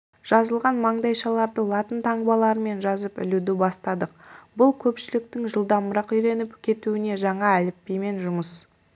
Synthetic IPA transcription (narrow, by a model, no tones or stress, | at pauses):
ʒ̥ɑzəlˠʁɑnmɑɴd̪ɑjʃɑlˠɑɾd̪əlˠɑt̪ənt̪ʰɑɴbɑlˠɑɾəme̞nʒɑzəpɪ̰lud̪ɪbɑst̪ɑd̪əq̚bʊlˠkʲʰɵpʃɪlɪk̚t̪ɪŋʒəlˠd̪ɑməɾɑqʏjɾe̞nɪpkʲʰe̞t̪uɪne̞ʒɑɴɑælɪpːejme̞nʒʊməs